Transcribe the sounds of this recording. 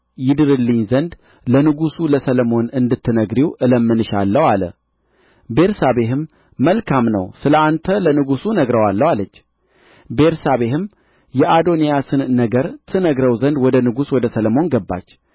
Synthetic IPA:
jɪd̪ɨɾɨlːɨɲzənd̪ | lənɨɡusuləsələmo̞nɨnd̪ɨt̪ːɨnəɡɾiwʔɨləmːɨnɨʃalːəwalə̰ | be̞ɾsaβe̞hɨmː | əlkʰamnə̰wsɨləant̪ʰələnɨɡusunəɡɾəwalːəwalət͡ʃː | be̞ɾsaβe̞hɨm | jɛʔad̪o̞nijasɨnːəɡəɾt̪ʰɨnəɡɾəwzənd̪wɔd̪ənɨɡuswɔd̪əsələmo̞nɡəbːa̰t͡ʃː

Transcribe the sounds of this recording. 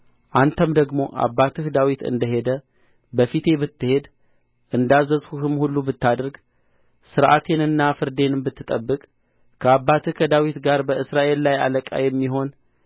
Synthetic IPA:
ʔant̪ʰəmd̪əɡmo̞ʔa̰bːat̪ʰɨhd̪awit̪ɨ̰nd̪əɦe̞d̪ə | bəfit̪ʰe̞bɨt̪ːɨhe̞d̪ | ʔɨnd̪azəzhuhɨmhulːubɨt̪ːad̪əɾɡ | sɨɾʔa̰t̪ʰe̞nɨnːafɨɾd̪e̞nɨmbɨt̪ːɨt̪ʼəbːɨkʼ | kʰəabːat̪ʰɨkʰəd̪awit̪ɡaɾbəɨsɾaʔe̞lːaja̰ləkʼa̰jɛmːiɦo̞n

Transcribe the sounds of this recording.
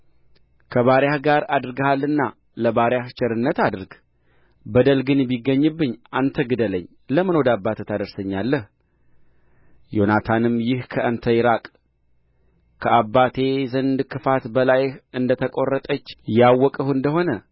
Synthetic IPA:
kʰəβaɾjahɡaɾad̪ɾɡəhalːɨnːa | ləbaɾjaht͡ʃɛɾɨnːət̪ad̪ɨɾɡ | bəd̪əlɡɨnbiɡːəɲːɨbːɨɲːʔant̪ʰəɡɨd̪ələɲː | ləmɨnowɔd̪abːat̪ʰət̪ʰad̪əɾsəɲːalːəh | jo̞nat̪ʰanɨmjɪhkʰəʔənt̪ʰəjɪɾakʼ | kʰəabːat̪ʰe̞zənd̪kʰɨfat̪bəlajhɨnd̪ət̪ʰəkʼo̞rːət̪ʼət͡ʃːjawːɔkʼəhuɨnd̪əɦo̞nə

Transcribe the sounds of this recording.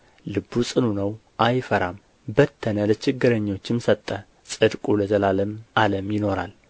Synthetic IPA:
lɨbːusʼɨnunəw | ʔajfəɾam | bət̪ʰːənələt͡ʃʰɪɡːɨɾəɲːo̞t͡ʃːɪmsət̪ʼːə | sʼɨd̪kʼuləzəlaləmʔaləmjɪno̞ɾal

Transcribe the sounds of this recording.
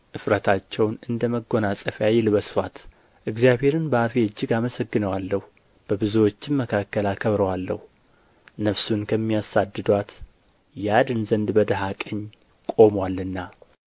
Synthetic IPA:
ʔɨfɾət̪ʰat͡ʃːɛwnɨnd̪əməɡo̞nasʼəfjajɪlβəswat̪ | ʔɨɡzjaβhe̞ɾɨnbəafeɨd͡ʒːɪɡaməsəɡːɨnəwalːəhu | b̥əbɨzuwo̞t͡ʃːɪnməkʰakːəlakʰəβɾəwalːə̰hu | nəfsunkʰəmːijasad̪ːɨd̪wat̪ | jad̪ɨnzənd̪bəd̪əɦakʼəɲː | kʼo̞mwalːɨnːa

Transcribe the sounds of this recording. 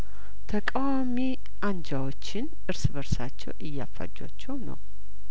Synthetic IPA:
t̪ʰəkʼawami | and͡ʒawo̞t͡ʃːɪn | ʔɨɾsbəɾsat͡ʃːɛ̰wʔɨjːafːa̰d͡ʒːa̰t͡ʃːɛwnə̰w

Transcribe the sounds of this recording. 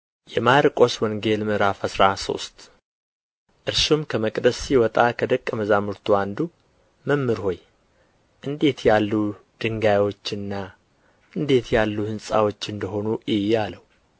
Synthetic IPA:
jɛmaɾkʼo̞swɔŋɡe̞lmɨɾafəsɾaso̞̰st̪ | ʔɨɾʃumkʰəməkʼd̪əsːiwɔt̪ʼakʰəd̪əkʼːəməzamuɾt̪ʰuand̪u | məmːɨɾho̞j | ʔɨnd̪e̞t̪jalːud̪̥ɨŋɡajwo̞t͡ʃːɨnːa | ʔɨnd̪e̞t̪jalːuhɨnsʼa̰wo̞t͡ʃːɨnd̪əɦo̞nujɪjaləwu

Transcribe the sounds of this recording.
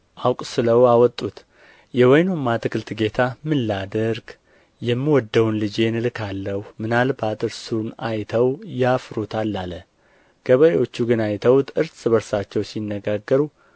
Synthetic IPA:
ʔawkʼsɨləwawɔt̪ʼːut̪ | jɛwɔjnomːat̪ʰɨkʰɨlt̪ʰɨɡe̞t̪ʰamɨlːad̪əɾɡ | jɛmːiwɔd̪ːəwunlɨd͡ʒe̞nɨlkʰalːəhumɨnalbat̪ʼɨɾsunajt̪ʰəwjafɾot̪ʰalːalə | ɡ̥əβəewot͡ʃːuɡɨnajt̪ʰəwt̪ʰɨɾsɨβəɾsat͡ʃːɛwsinːəɡaɡːəɾu

